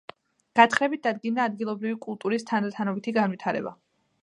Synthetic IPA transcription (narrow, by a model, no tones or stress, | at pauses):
ɡ̥at̪χɾɛbit̪̚d̪̥ad̪ɡind̪aːd̪ɡilˠɔbɾivikʼulˠt̪ʼuɾist̪ʰand̪at̪ʰanɔbit̪ʰiɡanvit̪ʰaɾɛ̰ba̰